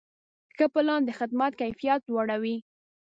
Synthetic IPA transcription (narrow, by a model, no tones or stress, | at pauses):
xəpɪlɑnd̪əxɪd̪mat̪̚kajfijat̪̚lwaɽawi